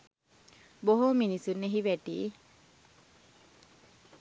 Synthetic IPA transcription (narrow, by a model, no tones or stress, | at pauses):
boɦominisuneɦiʋæʈḭː